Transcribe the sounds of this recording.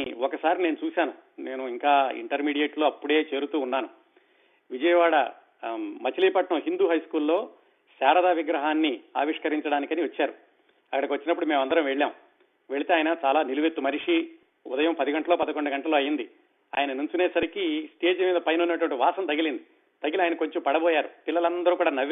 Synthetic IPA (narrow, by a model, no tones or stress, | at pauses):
ɔkɐsaːɾineːnut͡ʃuːsaːnune̞ːnuiŋkaːḭɳʈɐɾmiːɽijeːʈloːɐpːuɽe̞ːt͡ʃe̞ːɾut̪uːnːaːnu | ʋid͡ʒɐjɐʋaːɽɐ | mɐt͡ʃiliːpɐʈnɐmɦind̪uːɦɐjskuːlːo̞ː | saːɾɐd̪aːʋiɡɾɐɦaːnːiaːʋiʂkɐɾiɲt͡ʃɐɽaːnikɐniʋɐt͡ʃːaːɾu | ɐkːɐɽɐkiʋɐt͡ʃːinɐpːuɽumeːmɐnd̪ɐɾɐmʋeɭːaːm | ʋe̞ɭit̪e̞ːjɐnɐt͡ʃaːlaːniluʋet̪ːumɐɾiʂi | ṵd̪ɐjɐmpɐd̪iɡɐɳʈɐlo̞ːpɐd̪ɐkoɳɖɐɡɐɳʈɐlo̞ːɐjind̪i | a̰ːjɐnɐnuɲt͡ʃuneːsɐɾikisʈe̞ːd͡ʒimiːd̪ɐpɐjnunːɐʈuʋɐɳʈiʋaːsɐnt̪ɐɡilind̪i | t̪ɐɡiliaːjɐnɐko̞ɲt͡ʃompɐɽɐboːjaːɾut̪ilːɐlɐnd̪ɐɾuːkuːɽaːnɐʋ